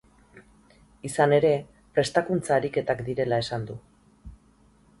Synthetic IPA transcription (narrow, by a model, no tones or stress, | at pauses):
isane̞ɾe̞ | pɾe̞st̪akunt͡saːɾike̞t̪akd̪iɾe̞lae̞sand̪u